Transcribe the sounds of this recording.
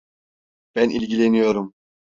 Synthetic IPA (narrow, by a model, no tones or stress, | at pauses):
b̥ænilʲɟilʲenijo̞ɾum